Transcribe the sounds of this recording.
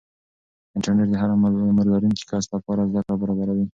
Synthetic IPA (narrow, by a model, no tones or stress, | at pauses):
ɪɳʈaɾneʈ̚d̪əɦaɾamaɾɡaɾuŋki̥kɑst̪lapɑɾazd̪akɽabaɾɑbaɾawi